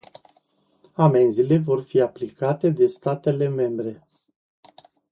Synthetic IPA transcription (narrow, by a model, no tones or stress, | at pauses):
amenzile̞vo̞rfiaplikat̪e̞d̪e̞st̪at̪e̞le̞me̞mbɾe̞